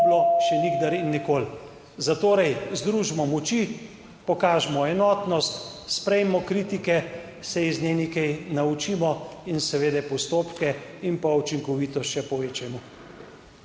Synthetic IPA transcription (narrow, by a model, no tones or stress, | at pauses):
bloʃɛniɡd̪aɾinːikoːl | zat̪oːɾɛjzd̪ɾuːʒmɔmɔt͡ʃi | pɔkaːʒɛmɔɛnɔːt̪nɔst̪spɾɛjmɔkɾiːt̪ikɛ | sɛiznenikɛjnaut͡ʃiːmɔinsɛʋeːd̪ɛjpɔst̪oːpkɛimpaut͡ʃiŋkɔʋiːt̪ɔʃɛpɔʋeːt͡ʃɛmɔ